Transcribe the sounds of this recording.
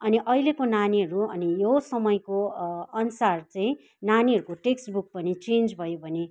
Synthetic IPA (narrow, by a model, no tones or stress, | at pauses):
ʌniʔʌjlekonaniɦʌɾuʌnijosʌmʌjkoʌnusart͡saĩ | naniɦʌɾukoʈeksʈbuk̚pʌnit͡send͡zbʱʌjobʱʌne